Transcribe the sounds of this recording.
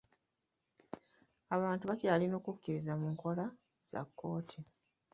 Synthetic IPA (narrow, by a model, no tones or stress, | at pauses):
aβaːntuβacaːlino̞ːkukːiɾizamuŋko̞la | z̥a̰kːo̞ːtʰi